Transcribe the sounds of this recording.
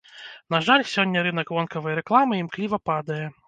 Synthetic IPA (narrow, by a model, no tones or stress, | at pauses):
n̪aʐalʲsʲɔnʲːɐɾɨnɐkvɔnkɐvɐjɾɛklˠamɨimklʲivɐpad̪ɐjɛ